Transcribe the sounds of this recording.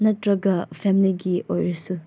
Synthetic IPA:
nɐtɾɐɡɐpʰɛmiliɡiʔojɾɐsu

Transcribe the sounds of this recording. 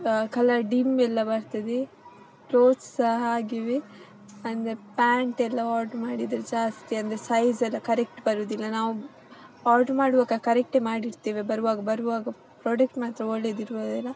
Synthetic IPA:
kɐlɐɖimɛlːɐbɐɾt̪ɐd̪e | pɾoːt͡ʃsɐɦɐaːɡiʋi | ɐnd̪ɐɾepaːɳʈɛlːɐaːɾɖmaːɽid̪ɐɾed͡ʒaːst̪iɐnd̪ɐɾesɐjzɛlːɐkɐɾek̚ʈbɐɾoːd̪ilːɐnaːʋu | aːɾɖmaːɽuʋɐkɐkɐɾek̚ʈemaːɽiɾt̪iːʋebɐɾuʋaːɡɐbɐɾuʋaːɡɐ | pɾoːɖek̚ʈmaːt̪ɾɐoɭːed̪iɾuʋoːd̪ilːɐ

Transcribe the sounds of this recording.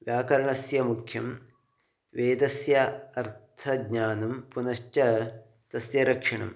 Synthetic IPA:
ʋjaːkɐɾɐɳɐsjɐmukʰjɐm | ʋeːd̪ɐsjɐɐɾt̪ʰɐɡɲaːnɐmpunɐʂt͡ʃɐ | t̪ɐsjɐɾɐkʂɐɳɐ̰m

